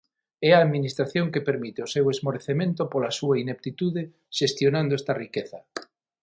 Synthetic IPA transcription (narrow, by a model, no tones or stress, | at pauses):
ɛaːðminist̪ɾaθjoŋkepeɾmit̪eosewezmoɾeθemẽnt̪opolɐsuainep̚t̪it̪uðe | ʃest̪jonãnd̪oɛst̪ɐrikeθɐ